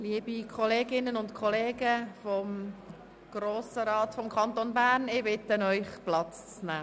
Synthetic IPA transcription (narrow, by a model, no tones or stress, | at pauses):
liəbikʰɔleːɡɪnənʊntkʰɔleːɡəfɔm | ɡ̥roːsəɾɑːtfɔmkʰɑnt̪onbæːɾnɪbɪtːənœʏχplɑt͡st͡snæː